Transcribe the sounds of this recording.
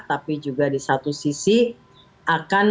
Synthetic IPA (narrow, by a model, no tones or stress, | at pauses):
t̪apid͡ʒuɡadisat̪usisi | ʔakan